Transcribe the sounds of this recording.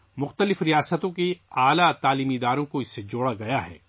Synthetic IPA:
mʊxt̪əlɪfɾijaːsət̪õkiaːlat̪aːliːmid̪aːɾõkoɪsːed͡ʒoːɽaɡɐjaɦɛ̰ː

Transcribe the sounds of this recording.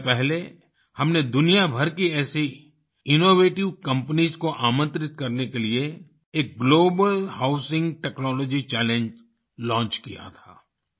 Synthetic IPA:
pɛɦle | hɐmned̪ʊnijabʱɐɾkiɛːsi | ɪnoːʋeːʈɪʋkɐ̃mpənizkoʔaːmə̃nt̪ɾɪt̪̚kɐɾnekelie | eːk̚ɡloːbəlhaʊsɪ̃ŋɡʈɛːknɔːlɔːd͡ʒit͡ʃɛːlẽɲd͡ʒ | lɔ̃ːɲt͡ʃkḭja̰t̪ʰa̰ː

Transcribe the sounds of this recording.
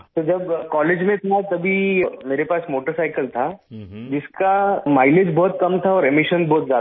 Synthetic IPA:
t̪od͡ʒɐbkɔːleːd͡ʒmẽt̪ʰat̪ɐbʱimeːɾepaːsmoːʈəɾsaːɪkəlt̪ʰad͡ʒɪskamaːɪled͡ʒbɔːt̪̚kɐmt̪ʰaɔːɾemɪʃənbɔːt̪zjaːd̪

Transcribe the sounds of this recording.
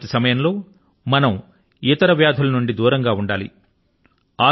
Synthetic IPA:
t̪isɐmɐjɐmlo̞ː | mɐnɐm | it̪ɐɾɐʋjaːd̪ʱɐlɐnuɳɖid̪uːɾɐŋɡaːuɳɖaːlḭ | aː

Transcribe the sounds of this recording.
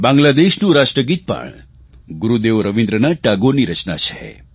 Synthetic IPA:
bãŋɡlad̪eʃnũɾaʃʈɾəɡit̪̚pə̰ɳ | ɡuɾud̪eʋɾəʋĩnd̪ɾənaʈaɡoniɾət͡ʃna̰t͡ʃʰḛ

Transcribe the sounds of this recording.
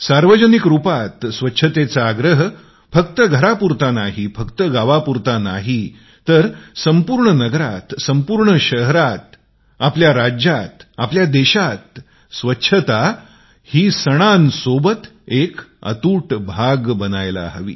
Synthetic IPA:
saɾʋəd͡ʑənikɾupat̪sʋətːɕʰət̪et͡saːɡɾəɦ | fəkt̪əɡʱəɾapuɾt̪anaɦifəkt̪əɡaʋapuɾt̪anaɦi | t̪əɾsəmpuɾɳənəɡɾat̪səmpuɾɳəɕəɦɾat̪̚ | apljaɾad͡ʑjat̪apljad̪ɛɕat̪̚ | sʋətːɕʰət̪a | hiːsəɽ̃ansobət̪ | ekə̰t̪uːʈbʱaɡbənajla̰ɦə̰ʋḭː

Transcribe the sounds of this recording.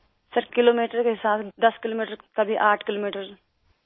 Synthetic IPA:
sɐɾkɪloːmiːʈəɾkeɦɪsaːbd̪ɐskɪloːmiːʈəɾkɐbʱiʔaːʈʰkɪloːmiːʈəɾ

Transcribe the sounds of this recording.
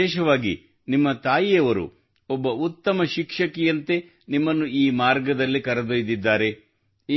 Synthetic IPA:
ɛːʃɐʋaːɡḭ | nimːɐt̪aːjijɐʋɐɾṵ | ɔbːɐut̪ːɐmɐʃikʂɐkɛjɐnt̪e̞ | nimːɐnːuiːmaːɾɡɐd̪ɐlːikɐɾɐd̪ojid̪id̪ːaːɾe̞

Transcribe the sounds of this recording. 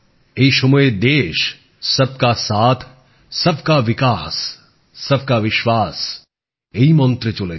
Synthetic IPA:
eiʃʊmued̪eːʃ | sɐb̚kasaːt̪ʰ | sɐb̚ʱkaʋɪkaːsː | ɐb̚kaʋɪʃʋaːs | eimɔ̃nt̪ɾɪt͡ʃole

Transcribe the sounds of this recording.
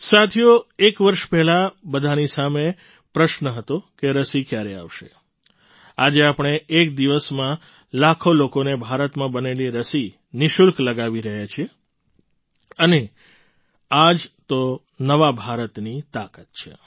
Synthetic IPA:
sat̪ʰjoekʋəɾʃpɛɦlabəd̪ʱanisame | pɾəʃnəɦət̪okeɾəsikjaɾea̰ʋʃḛ | ad͡ʒeapɽ̃eʔek̚d̪iʋəsmã | lakʰolokonebʱaɾət̪mãbəneliɾəsi | nɪʃulkləɡaʋiɾəɦjat͡ʃʰie | əne | ad͡ʒt̪o | nəʋabʱaɾət̪nit̪akət̪̚t͡ʃʰḛ

